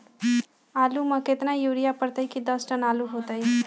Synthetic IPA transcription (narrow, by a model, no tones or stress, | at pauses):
alumʌ̃ket̪najuɾijapəɾt̪əɪkid̪ʌsʈʌnaluɦot̪əj